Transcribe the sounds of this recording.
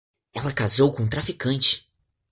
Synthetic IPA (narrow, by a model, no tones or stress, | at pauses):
ɛlɐkazowkõt̪ɾafikɐ̃nt͡ʃɪ̥